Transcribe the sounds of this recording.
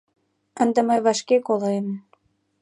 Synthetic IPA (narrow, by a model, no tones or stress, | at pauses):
ənd̪ə̆məjβɑʃkekolɤem